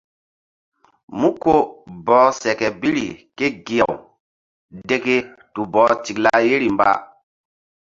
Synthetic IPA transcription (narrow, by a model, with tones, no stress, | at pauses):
mu˦ko˦bɔː˨˦sɛ˨kɛ˨bi˦ɾḭ˨ke˦ɡi˨ja˨w | de˦ke˦ | tu˨bɔː˨˦t͡ʃi˨kla˦je˦ɾi˨mba̰˦